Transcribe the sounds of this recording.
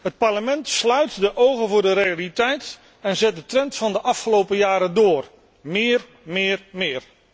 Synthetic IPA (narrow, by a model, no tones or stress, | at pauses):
ɦət̚paɹləmɛntslœɥtdəʔowɣəvʊːdəɾejalitɛjt | ɛnzɛt̚dətrɛntfɑndəʔɑfχəlowpəjaːɾədoːr | mɪːr | mɪːrmɪːr